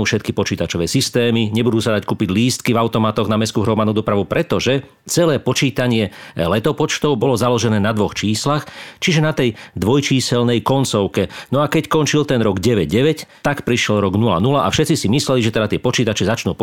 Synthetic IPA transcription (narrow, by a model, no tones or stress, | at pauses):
uːfʃɛt̪̚kipɔt͡ʃiːt̪at͡ʃɔʋɛːsist̪ɛːmiɲɛbud̪uːsad̪ackuːpiɟliːst̪kivaʊt̪ɔmat̪ɔɣnamɛskuːɦɾɔmad̪nuːd̪ɔpɾaʋupɾɛt̪ɔʒɛ | t͡sɛlɛːpɔt͡ʃiːt̪aɲɪɛlɛt̪ɔpɔt͡ʃt̪ɔʊbɔlɔzalɔʒɛnɛːnad̪ʋɔxt͡ʃiːslaxt͡ʃiʒɛnat̪ɛjd̪ʋɔjt͡ʃiːsɛlnɛjkɔnt͡sɔʊkɛnɔakɛcskɔnt͡ʃilt̪ɛnɾɔɡɟɛʋɛɟɟɛʋɛct̪akpɾiʃjɛlɾɔɡnula̰nulaʔa̰fʃɛt̪t͡sisimislɛliʒɛt̪ɛd̪at̪ɪɛpɔt͡ʃiːt̪at͡ʃɛzat͡ʃnuːp